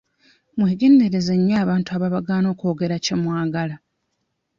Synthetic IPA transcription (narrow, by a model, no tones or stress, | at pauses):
mweːɡe̞nde̞ɾe̞zeɲːaːβaːntuaβaβaɡaːno̞ːkoːɡe̞ɾace̞mwaːɡala